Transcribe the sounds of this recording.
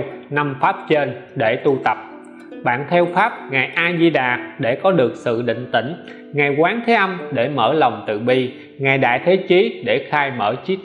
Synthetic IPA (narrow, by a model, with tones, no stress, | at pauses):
na˧mfaː˦˥p̚t͡ɕe˧nɗe˧˩t̪u˧t̪ə˨˩p̚ | ɓa̰ː˧˨nt̪ʰɛ˧wfaː˦˥p̚ŋaː˨˩jʔaː˧zi˧ɗaː˨˩ɗe˧˩kɔ˨˦ɗɨ˨˩ək̚sɨ̰˧˨ɗḭ˧˨ŋ̟t̪ḭ̈˧˩ŋ̟ | ŋa˨˩jkwaː˨˦nt̪ʰe˨˦ʔə˧mɗe˧˩məː˧˩la˨˩wŋ͡mt̪ɨ̰˧˨ɓi˧ | ŋaː˨˩jɗa̰ː˧˨jt̪ʰe˨˦t͡ɕi˨˦ɗe˧˩xaː˧jmə̰ː˧˩t͡ɕi˦˥k̚